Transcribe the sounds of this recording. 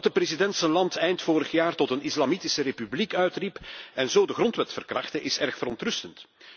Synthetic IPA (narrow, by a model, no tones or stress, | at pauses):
t̚dəprezidɛntsəlɑntʰɛjntfoːɾəxjaːrtɔtənɪslɑmitɪsəɾepyblikœɥtripɛnzoːdəɣrɔntʋɛtfərkrɑxtəʔɪsɛrxfəɾɔntrɵstənt